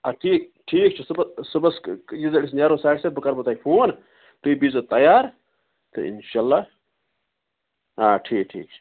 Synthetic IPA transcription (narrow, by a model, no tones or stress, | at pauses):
ɐʈʰiːk̚ʈʰiːkt͡ʃʰisɨbɐsɨbɐsjizɐɽisnaːɾosaːʈsebɨkɐɾbɐt̪aːipʰoːn | t̪uibizot̪ɐjaːɾ | t̪ɨ̰ḭnʃalːa | aːʈʰiːk̚ʈʰḭːk̚t͡ʃʰi̥